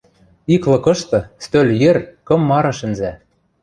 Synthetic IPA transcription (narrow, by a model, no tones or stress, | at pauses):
iklɤ̆kɤ̆ʃt̪ɤ̆st̪ølʲjerʲkɤ̆mːɑɾɤ̆ʃɘ̆nzæ